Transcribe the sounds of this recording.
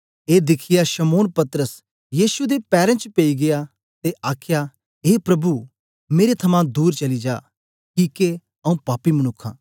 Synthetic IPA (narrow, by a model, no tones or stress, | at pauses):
eːd̪ɪkʰɪjaʃɐmoːnpɐt̪ɾəs | jiːʃud̪epɛːɾɛ̃t͡ʃpeiɡɪja | t̪eʔaːkʰja | ɦeːpɾɐbu | meːɾet̪ʰɐmãd̪uːɾt͡ʃɐlid͡ʒaː | kiːke | ɐũpaːpimɐnʊkʰːã̰ː